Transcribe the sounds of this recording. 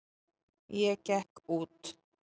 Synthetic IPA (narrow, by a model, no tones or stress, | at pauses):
jɛcɛhkuːt̪